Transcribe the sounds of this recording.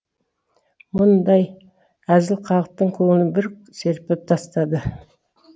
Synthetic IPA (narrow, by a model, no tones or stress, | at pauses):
mʊnd̪ɑj | æzɪlqʰɑlˠəq̚t̪əɴqʰoənəbɪɾ | seɾpep̚t̪ʰɑst̪ɑd̪ə